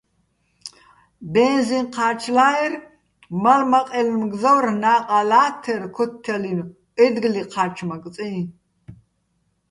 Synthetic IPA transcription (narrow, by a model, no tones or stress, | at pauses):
bɛnzinqʰaːt͡ʃʰlaːɛr | malmɐqʼɛlmɡzɐwrnaːqʼalaːt̪ʰɛrkʰɔt̪ʰːɛlinʼ | ɛd̪ɡliqʰaːt͡ʃʰmɐkʼt͡sʼɛi